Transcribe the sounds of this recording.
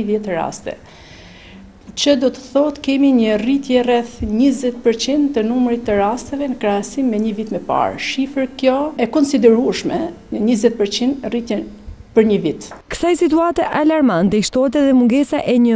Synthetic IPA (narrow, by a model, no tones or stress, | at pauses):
ðɛt̪əɾa̰st̪ɛ̰ | t͡ɕəd̪ɔt̪ə̥θɔɦət̪kɛmiɲərit̪jɛrɛθɲəzɛt̪̚pəɾt͡ɕind̪t̪ənumɾit̪ːəɾast̪ɛvɛnəkɾaasimːɛɲəvit̪mɛpa̰ɾʃifəɾkjɔɛkɔnsid̪ɛɾuəʃmɛɲəɲəzɛt̪̚pəɾt͡ɕind̪rit̪jɛnpəɾɲəvit̪kə̥sajsit̪uat̪ɛʔalaɾmant̪ɛiʃt̪ɔɛt̪̬ɛðɛmuŋɡɛsaʔɛɲə